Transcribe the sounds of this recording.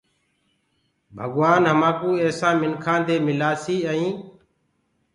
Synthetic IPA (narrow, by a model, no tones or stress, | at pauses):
bʱəɡʋaːnɦəmãːkũːeːsãːmɪnkʰãːd̪eːmɪlaːsiːəĩː